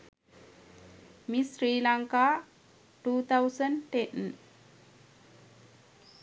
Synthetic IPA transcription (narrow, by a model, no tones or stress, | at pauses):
misɾiːlaŋka | ʈuːt̪ʰawsəɳʈẽn